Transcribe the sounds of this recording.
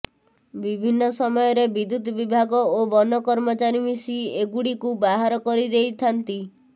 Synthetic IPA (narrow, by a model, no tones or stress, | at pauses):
bibʱinːɔsɔmɔjɔɾebid̪ud̪bibʱaɡɔobɔnɔkɔɾmɔt͡ʃaɾimisieɡuɽikubaɦaɾɔkɔɾid̪ejt̪ʰant̪i